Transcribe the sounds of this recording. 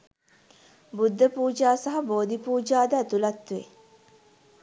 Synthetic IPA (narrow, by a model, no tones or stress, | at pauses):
bud̪ʱːəpuːd͡ʒaːsɐɦɐboːd̪ipuːd͡ʒaːd̪əæt̪ulɐt̪ːʋe